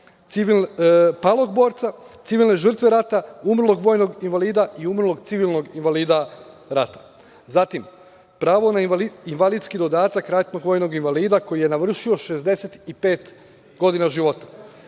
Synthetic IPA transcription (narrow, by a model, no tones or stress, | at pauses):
t̪siʋilnpalˠo̞ɡbo̞ːɾt̪sa | t̪siʋilˠne̞ʒr̩t̪ʋe̞ɾat̪aumr̩lˠo̞ɡʋojno̞ɡinʋaliːd̪aiumr̩lˠo̞ɡt̪siʋilˠno̞ɡinʋaliːd̪a | ɾat̪ḁ | zat̪im | pɾaːʋo̞naiinʋalid̪skid̪o̞d̪aːt̪akɾat̪no̞ɡʋojno̞ɡinʋaliːd̪ako̞jije̞naʋr̩ʃio̞ʃe̞zd̪e̞set̪ipe̞ːt̪ | ɡo̞d̪inaʒiʋo̞t̪ḁ